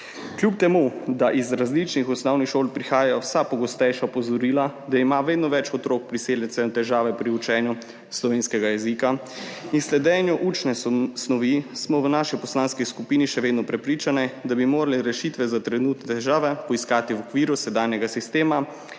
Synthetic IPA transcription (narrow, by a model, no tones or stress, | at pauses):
kljup̚t̪ɛmud̪aʔizɾazlit͡ʃnixɔsnɔwnixʃoːlpɾixaːjajɔwsapɔɡɔst̪ɛjʃaɔpɔzɔɾiːlad̪aimaʋeːd̪nɔʋɛt͡ʃɔt̪ɾok̚pɾiseːljɛnsɛnt̪ɛʒaːʋɛpɾiut͡ʃɛːnju | slɔʋeːnskɛɡajɛzika | inslɛd̪ɛːnjuʔuːt͡ʃnɛsnɔʋismɔwnaːʃipɔslaːnskiskupiːniʃɛʋeːd̪nɔpɾɛpɾiːt͡ʃanɛd̪abimoːɾalɛɾɛʃit̪ʋɛzat̪ɾɛnuːt̪nɛt̪ɛʒaːʋɛpɔiskaːt̪iwɔkʋiːɾusɛd̪aːnjɛɡasist̪eːma